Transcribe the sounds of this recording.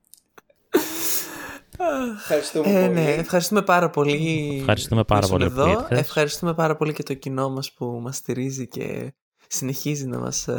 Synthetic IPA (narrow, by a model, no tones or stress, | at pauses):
ɐxɐɾist̪ueneːfxɐɾist̪ume̞pɐɾɐpo̞liɐɾist̪umepɐ̰ɾɐo̰nlḛiðoefxɐɾist̪ume̞pɐɾɐpo̞lice̞t̪o̞cino̞mɐspumɐst̪iɾizice̞̰ | sine̞çizinɐ̰mɐ̰s